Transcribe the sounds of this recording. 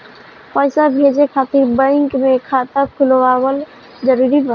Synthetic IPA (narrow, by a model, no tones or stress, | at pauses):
pəjsabʱed͡ʒekʰaːt̪ɪɾbə̃ɪŋkmẽkʰaːt̪akʰʊlwawəl | d͡ʒəɾuɾiba